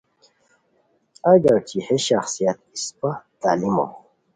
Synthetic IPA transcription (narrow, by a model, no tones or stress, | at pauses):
aɡaɾt͡ʃʰiħeʃaxsijat̪̚ispat̪alimo̰